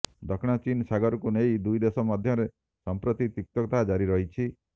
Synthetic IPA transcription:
d̪ɔkʰɽ̃at͡ʃinsaɡɔɾɔkunejd̪ujd̪esɔmad̪ʱjɔɾe | sɔmpɾɔt̪it̪uk̚t̪ɔkt̪aɦad͡ʒaɾiɾɔɦit͡ʃʰi

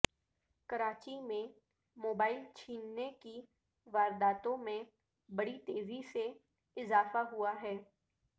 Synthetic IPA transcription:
kɐɾaːt͡ʃimẽ | moːbaːɪlt͡ʃʰiːnːeki | ʋaːɾd̪aːt̪õmẽ | bɐɽit̪eːzise | ɪzaːfaɦuaɦɛː

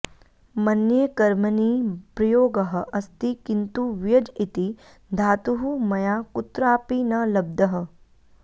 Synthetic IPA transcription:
mɐnjekɐɾmɐniːpɾɐjoːɡɐɦɐ̆ʔɐst̪ikint̪uʋjɐd͡ʒit̪i | d̪ʱaːt̪uɦumɐjaːkut̪ɾaːpinɐlɐb̚d̪ɐɦɐ̆

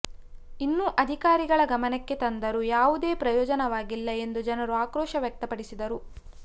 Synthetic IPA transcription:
inːuʔɐd̪ʱikaːɾiɡɐɭɐɡɐmɐnɛkːet̪ɐnd̪ɐɾujaːʋud̪e̞ːpɾɐjɔːd͡ʒɐnɐʋaːɡilːɐe̞nd̪ud͡ʒɐnɐɾuaːkɾɔːʃɐʋjɐk̚t̪ɐpɐɽisid̪ɐɾu

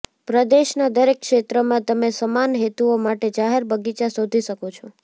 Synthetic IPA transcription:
pɾəd̪eʃnad̪əɾekːʃet̪ɾəmãt̪əmesəmanɦet̪uomaʈed͡ʒaɦeɾbəɡit͡ʃasod̪ʱiʃəkot͡ʃʰɔ

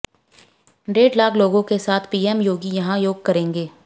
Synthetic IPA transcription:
ɖeːɖlaːkʰloːɡõkesaːt̪ʰpiːɛmjoːɡijɐɦãjoːɡ̚kɐɾẽːŋɡeː

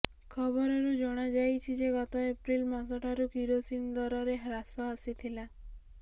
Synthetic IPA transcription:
kʰɔbɔɾɔɾud͡ʒɔɽ̃ad͡ʒajt͡ʃʰid͡ʒeɡɔt̪ɔepɾilmɔsɔʈʰaɾukiɾosind̪ɔɾɔɾeɦɾasɔasit̪ʰila

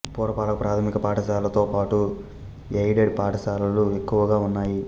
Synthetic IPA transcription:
puːɾɐpaːlɐkɐpɾaːt̪ʰɐmikɐpaːʈɐsaːlɐt̪o̞ːpaːʈu | ejɖeɖpaːʈɐsaːlɐluekːuʋɐɡaːunːaːji

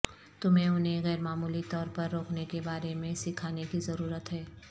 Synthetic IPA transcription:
t̪ʊmɦẽʊnɦẽɣɛːɾmaːmuːlit̪ɔːɾpɐɾːoːkʰnekebaːɾemẽsɪkʰaːnekizɐɾuːɾət̪ɦɛː

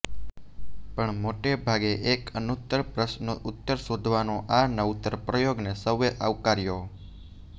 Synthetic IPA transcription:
pəɳmoʈebʱaɡeʔekənut̪ːəɾpɾəʃnoʔʊt̪ːəɾsod̪ʱʋanõʔanəʋut̪ːəɾpɾəjoɡnesəʋːeʔa̰ʋkaɾjo

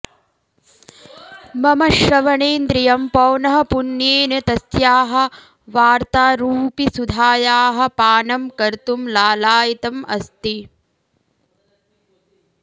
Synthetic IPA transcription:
mɐmɐʃɾɐʋɐɳeːnd̪ɾijɐmpɐːnɐɦɐ̆punjeːnɐt̪ɐsjaːɦɐ̆ | ʋaːɾt̪aːɾuːpisud̪ʱaːjaːɦɐ̆paːnɐmkɐɾt̪umlaːlaːjit̪ɐmɐ̰st̪i

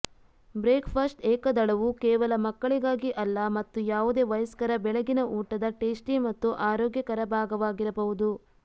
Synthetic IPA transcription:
bɾeːkpʰɐsʈɛːkɐd̪ɐɭɐʋukɛːʋɐlɐmɐkːɐɭiɡaːɡiʔɐlːɐmɐt̪ːujaːʋud̪e̞ːʋɐjɐskɐɾɐbɛɭɐɡinɐʔuːʈɐd̪ɐʈeːsʈimɐt̪ːuʔaːɾɔːɡjɐkɐɾɐbʱaːɡɐʋaːɡiɾɐbɐʋud̪u

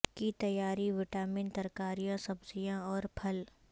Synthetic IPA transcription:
kit̪ɐjaːɾiʋɪʈaːmɪnt̪ɐɾkaːɾijãsɐbzijãɔːɾpʰɐl

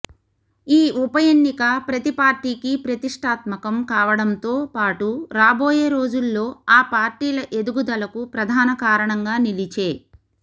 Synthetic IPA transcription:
iːʔupɐjenːikɐpɾɐt̪ipaːɾʈiːkipɾɐt̪iʂʈʰaːt̪mɐkɐmkaːʋɐɽɐnt̪o̞ːpaːʈuɾaːbo̞ːjeːɾo̞ːd͡ʒulːo̞ːaːpaːɾʈiːlɐʔe̞d̪uɡud̪ɐlɐkupɾɐd̪ʱaːnɐkaːɾɐɳɐŋɡaːnilit͡ʃe̞ː

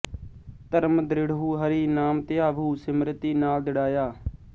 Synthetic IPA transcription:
t̪əɾmd̪ɾɪɽɦuːɦəɾiːnaːmt̪ɪaːʋuːsɪmɾət̪iːnaːld̪ɪɽaːjaː

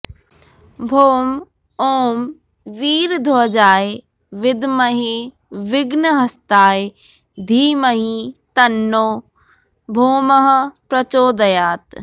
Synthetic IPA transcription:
bʱoːm | oːm | ʋiːɾd̪ʱoːd͡ʑaːe | ʋɪd̪məɦe | ʋɪɡnəɦɐst̪aːe | d̪ʱiːməɦit̪ɐnːoː | bʱoːməɦpɾɐt͡ɕoːd̪ɐjaːt̪

